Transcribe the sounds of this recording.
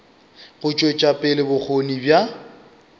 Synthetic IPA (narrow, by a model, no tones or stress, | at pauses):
ɣʊt͡ʃʼɔt͡ʃʼapʼɪlɪbʊk͡xʰonibja